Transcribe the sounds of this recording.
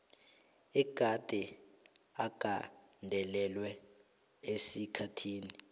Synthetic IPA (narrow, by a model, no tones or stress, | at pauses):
ɛɡ̥ʱad̥ʱɛ | aɡ̥ʱa | ndʱɛlɛlwɛ | esikʰatʰiːni